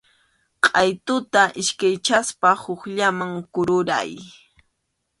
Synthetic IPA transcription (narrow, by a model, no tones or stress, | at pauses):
qʼɑjt̪ʊt̪aʔɪʃkajt͡ʃaspahʊχʎamaŋkʊɾʊɾa̰j